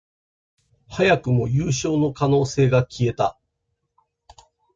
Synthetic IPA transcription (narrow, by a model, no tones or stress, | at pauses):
hajakɯ̟mo̞jɯːɕo̞ːno̞kano̞ːse̞ːɡakʲʰie̞t̪a